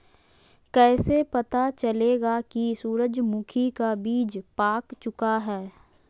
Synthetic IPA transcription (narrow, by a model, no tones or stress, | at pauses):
kɛːsepɐt̪at͡ʃɐleːɡakisuːɾəd͡ʒmukʰikabiːd͡ʒpaːkt͡ʃʊkaɦɛː